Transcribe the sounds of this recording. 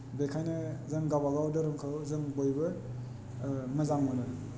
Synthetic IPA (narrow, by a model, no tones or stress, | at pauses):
bekʰajnɯzɯŋɡabaɡawdɯɾɯŋkʰɯwzɯŋbojbɯ | mɯzaŋmɔnɯɾ